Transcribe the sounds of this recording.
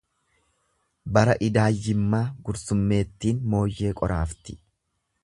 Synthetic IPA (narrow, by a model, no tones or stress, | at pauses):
bɐɾɐʔɪd̪aːjːɪmːaːɡʊɾsʊmːe̞ːt̪ːiːnmo̞ːjːe̞ːkʼɔɾʔaːft̪ɪ̥